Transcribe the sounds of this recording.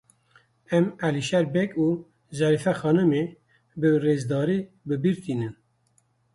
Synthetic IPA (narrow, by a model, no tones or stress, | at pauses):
ɛmæliʃɛɾbɛkuː | zɛɾifɛxɑːnɨme | bɨreːzd̪ɑːɾiː | bɨbiɾt̪ʰiːnɨn